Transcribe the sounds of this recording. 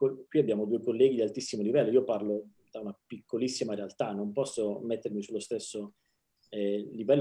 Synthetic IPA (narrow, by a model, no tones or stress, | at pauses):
kokwiabːjaːmod̪uːekolːɛːɡid̪ialt̪isːimolivɛlːoiːoparlo | d̪aunapikʰːolisːimaɾealt̪anːompɔsːomet̪ːeɾmisulːost̪esːo | ɛlivɛlː